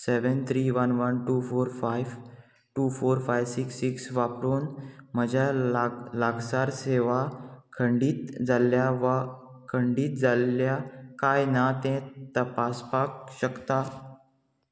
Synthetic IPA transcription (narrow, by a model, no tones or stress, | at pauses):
seʋənt̪ʰɾiːʋənʋənʈuːfoɾfajʋ | ʈuːfoɾfajʋsiksːiksʋapɾonm̤əd͡ʑʱalaɡsaɾseʋakʰəɳɖiːt̪d͡zaljaʋa | kʰəɳɖiːt̪̚d͡zaljakajnat̪ɛ̃t̪əpaspakɕəkt̪a